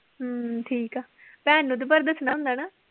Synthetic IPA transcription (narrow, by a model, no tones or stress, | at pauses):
ʈʰiːkaː | pɛːnũːt̪əpəɾd̪əsnaːɦʊ̃nd̪aːnaː